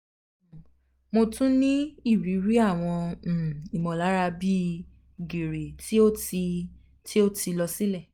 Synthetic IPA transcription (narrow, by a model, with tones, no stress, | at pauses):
mo˧tũ˦nĩ˦i˦˨ɾi˨˦ɾi˦a˦˨w̃ɔ̃˧˨ | i˨mɔ̃˨la˨˦ɾa˧bi˦ | ɡi˨ɾe˨ti˦o˦ti˧ | ti˦o˦ti˧lɔ˧si˦lɛ˦˨